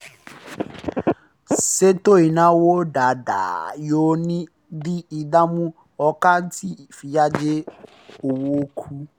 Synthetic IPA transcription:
se˦t̪o˦ɪ˨nã˦wo˦ɖa˨da̰˨jo˦nĩ˦ | di˦i˨da˦mũ˦ | ɔ˨ka˦tʰi˦fi˨ja˦d͡ʒɪ˦ | o˨wo˦kʰu˦

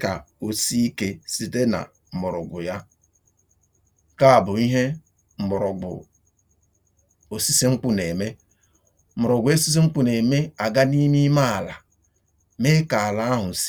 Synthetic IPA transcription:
ka˨o˨si˦i˦ke˦si˦te˦na̰˨ | m̩˨mʊ˨ɾʊ̰˨ɡʷʊ˨ja˦ | ka˦a˨bʊ˨i˦ɦe˦ | m̩˨mʊ˨ɾʊ˨ɡʊ̰˨ | o˨si˦si˦ŋ͡m̩˦k͡pʊ˦ne˨me˦ | m̩˨mʊ˨ɾʊ˨ɡʷʊ˨˦e˦si˦s̬i˦ŋ͡m̩˦k͡pu˦ne˨me˦a˨ɡa˦ni˦mi˦ma˦a˨la˨ | me˦ka˨a˨la˨a˦ɦʊ˨s

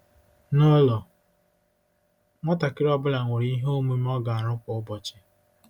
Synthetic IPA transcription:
nɔ˦lɔ˨ | ŋʷɔ˦ta˨kɪ˦ɾɔ˦bʊ˦la˨ŋʷe˨ɾi˨i˦ɦo˦me˦m˦ɔ˦ɡa˨a˨ɾʊ˦kʷʊ˨ʊ˦bɔ˨t͡ʃɪ˦

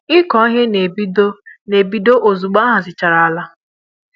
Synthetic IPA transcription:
ɪ˦kɔ˨˦ɦe˦ne˨bi˦do˦ne˨bi˦do˦ʔo˨zu˨ɡ͡ba˦ɦa˨zɪ˨t͡ʃa˨ɾa˨a˨la˦

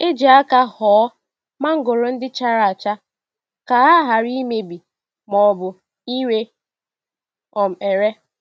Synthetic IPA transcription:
e˦d͡ʒi˨a˦ka˦hɔː˨˦ | ma˦ŋ̩˦ɡʊ˨ɾʊ˨n̩˦dɪ˦t͡ʃa˦ɾa˨a˨t͡ʃa˦ | ka˨a˦ɦa˨ɾi˦me˦bi˨ | mɔ˨bʊ˨ | i˦we˦ | ɔ˨m̩˨e˨ɾe˦

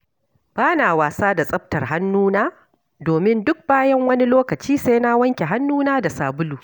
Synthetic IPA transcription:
b̥aː˦naː˨waː˨saː˦da˨sʼɐ˦ɸ̚tɐ˨rɦa˦nːuː˦naː˦ | doː˨mɪ˦ndʊ˦k̚baː˦jɐ˦ŋwɐ˦ni˦loː˦kɐ˨t͡ʃiː˦sa˦jna˦wɐ˦ŋkʲe˨ɦa˦nːuː˦naː˦da˨saː˨bʊ˦luː˨

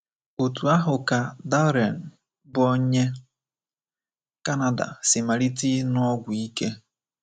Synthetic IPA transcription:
o˨tu˨a˦ɦʊ˨ka˨da˦ɾe˨n̩˨ | bʊ˦ɔ˦ɲe˦ | ka˦na˦da̰˨sɪ˨ma˨ɾi˦ti˦nʊ˦ɔ˦ɡʷʊ˨i˦ke˦

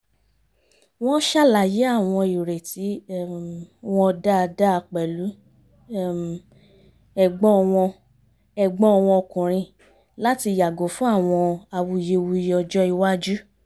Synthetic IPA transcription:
w̃ɔ̃˦ʃa˦˨la˨je˨˦a˦˨w̃ɔ̃˧i˨ɾe˨ti˨˦ | w̃ɔ̃˦˧da˦˧da˦˧k͡pɛ˨lu˨˦˨ | ɛ˦˨ɡ͡bɔ̃˦˧w̃ɔ̃˧ | ɛ˧˨ɡ͡bɔ̃˦ɔ˧w̃ɔ̃˧ɔ˧kũ˨ɾ̃ĩ˧ | la˦ti˧˨ja˨ɡo˨˦fũ˦a˦˨w̃ɔ̃˧a˧wu˧je˧wu˧je˦˧ɔ˧d͡ʒɔ˦i˧wa˦d͡ʒu˦

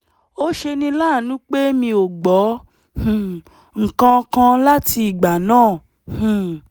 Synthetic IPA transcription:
o˦ʃe˧nĩ˧laː˦˨nũ˨˦k͡pe˦mĩ˧o˨ɡ͡bɔ˨˦ | hũ˨ | ŋ̩˨kã˧kã˧la˦ti˧i˨ɡ͡ba˨nãː˦˨ | hũ˨

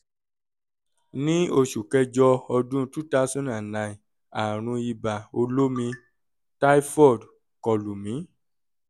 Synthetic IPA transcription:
nĩ˦o˧ʃu˨kɛ˧d͡ʒɔ˧ɔ˧dũ˦˧˦tu˦ta˦sũ˦nã˨nã˨i˨ | a˨ɾ̃ũ˧i˧ba˨o˧lo˦mĩ˧ | ta˦i˦fɔ˦˨d | kɔ˨lu˨mĩ˨˦

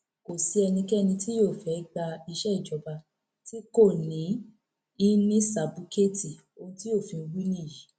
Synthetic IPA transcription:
ko˨si˨˦ɛ˧nĩ˧kɛ˦˧nĩ˧ti˦jo˦˨fɛ˨˦ɡ͡ba˧i˧ʃɛ˦i˨d͡ʒɔ˨˦ba˧ | ti˦ko˦˨nĩ˨˦ | i˦nĩ˦sa˨bu˧˦ke˦ti˨ | o˧ũ˦ti˦o˦˨fĩ˧wi˦nĩ˦˨ji˨˦

